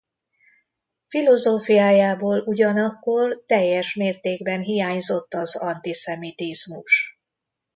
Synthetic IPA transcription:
filo̞zoːfijaːjaːboːluɟɒnɒkːo̞rt̪ɛjːɛʃmeːrt̪eːɡbɛnɦijaːɲzo̞t̪ːɒzɒnt̪isɛmit̪izmuʃ

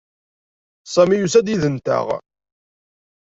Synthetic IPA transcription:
sˤæmijusæd̪jiðənt̪ə̰ʁ

